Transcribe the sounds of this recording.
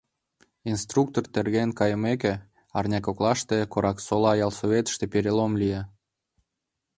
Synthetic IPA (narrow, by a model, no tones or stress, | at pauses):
inst̪ruk̚t̪ort̪erɣenkɑjəmek̬e | ɑrnʲɑkoklɑʃt̪ekoɾɑksolɑjɑlsoβet̪ə̥ʃt̪epeɾʲelomlije